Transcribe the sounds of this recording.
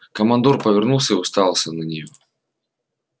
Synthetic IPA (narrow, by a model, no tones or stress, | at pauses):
kɐmɐnd̪urpɐvʲɛrnulˠsʲəiʊst̪alˠsʲɐnɐnʲɪjɔ